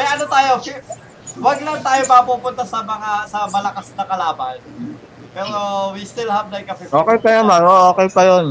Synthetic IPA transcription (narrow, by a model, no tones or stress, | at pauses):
ɐjʔɐnot̪aːjo̞k | wɐɡ̚lɐŋt̪aːjomɐpuːpʊnt̪asɐmɐŋasɐmɐlɐkasnɐkɐlaːbɐ̰n | pɛːɾo̞wist̪ɪlɦɐvnɐjkɐpiʔoːkɛjpɐjɐmaŋoʔoːkɛjpɐjon